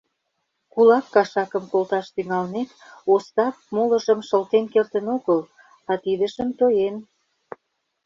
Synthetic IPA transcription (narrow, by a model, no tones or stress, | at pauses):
kulɑkːɑʃɑkə̆mkolt̪ɑʃt̪yŋɑlnet̪ost̪ɑp̚molə̆ʒəmʃəlt̪enkert̪ənoɣəl | ɑt̪id̪ə̆ʃəmt̪ojen